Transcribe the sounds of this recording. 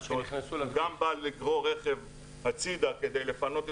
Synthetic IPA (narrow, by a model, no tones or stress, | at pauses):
ot̪ɡambalːiɡʁo̞ʁeχe̞v | hat͡sid̪ake̞d̪ejle̞fano̞t̪e